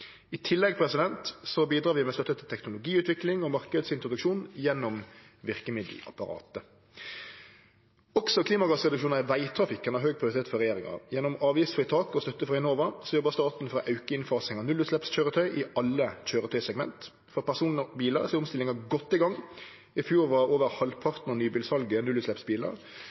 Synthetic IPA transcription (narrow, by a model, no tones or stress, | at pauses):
ɪt̪ʰɪlːɛɡ̚pʰɾɛsɪd̪ɛnt̪sɔbiːd̪ɾɑːʋɪmɛst̪œt̪ːət̪ʰɪt̪ʰɛknʊlʊɡiːʉːt̪ʰʋɪklɪŋɔmɑɾkəd̪sɪnt̪ɾʊd̪ʉkʃuːnjɛnːɔm | ʋɪʁkəmɪd̪l̩ɑ̰pɑɾɑ̰ːt̪ə | ɔksɔkʰliːmɑɡɑsʁɛd̪ʉkʃuːnnʋæɪt̪ʰɾɑfɪkːənɑʁɦøːɡ̚pʰɾɪʊɾɪt̪ʰeːt̪fɔɾɛjeːɾɪŋɑ̰jɛnːɔmɑːʋjɪft̪fɪt̪ʰɑːkɔst̪œt̪ːəfʁɑɪnoːʋɑsɔjɔbɑʁst̪ɑːt̪n̩fɔɾɔʔɑʉkəɪnfɑːsɪŋɑnʉlʉːt̪slɛpsc͡çøːɾət̪ʰœʏʔɪɑlːəc͡çøːɾət̪ʰœʏsɛɡmɛ̰nt̪ | fɔɾpæʁsuːnəbiːləʁsɛʊmst̪ɪlːɪŋɑɡɔt̪ːɪɡɑŋ | ɪfjuːɾʋɑoːʋəɾhɑlpʰɑʁt̪nəʁɔnyːbiːlsɑlɡənʉlʉt̪slɛpsbiːlə̰ɾ